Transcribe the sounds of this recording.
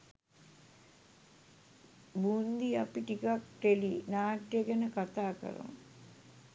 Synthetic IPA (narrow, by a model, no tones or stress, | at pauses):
buːnd̪iɐpiʈikak̚ʈelinaːʈjeɡɛnəkat̪aːkə̰ɾo̰m